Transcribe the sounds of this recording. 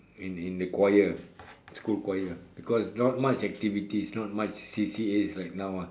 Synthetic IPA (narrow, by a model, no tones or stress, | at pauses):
ĩnĩndəkwajəskulkwajəb̥ikɔsnɔt̚mat͡ʃɛk̚tivitisnɔt̚mat͡ʃsisieslaɪk̚naw